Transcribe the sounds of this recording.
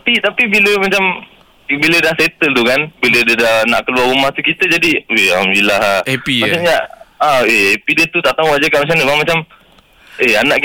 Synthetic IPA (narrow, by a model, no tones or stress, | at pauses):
t̪apit̪apibiləmat͡ʃam | bilədahset̪əlt̪ukanbilədədahnaʔkəluarɾumaht̪ukit̪əd͡ʒadiealhamdulilaheimasaɲaaeepidət̪ut̪aʔt̪aũaʔd͡ʒakaʔmat͡ʃamɲabaŋmat͡ʃam | ʔeanaʔk